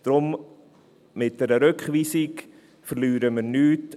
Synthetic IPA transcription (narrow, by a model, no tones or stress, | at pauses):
d̥ɾʊm | mɪt̚d̥ɛɾəɾøkχʋiːsik | fəɾlyːɾəməɾnyːt